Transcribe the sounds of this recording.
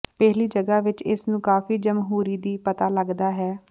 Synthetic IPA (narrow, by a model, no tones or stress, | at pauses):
pɛɦliːd͡ʒəɡaːʋɪt͡ʃɪsnũːkaːfiːd͡ʒəmɦuːɾiːd̪iːpət̪aːləɡd̪aːɦɛː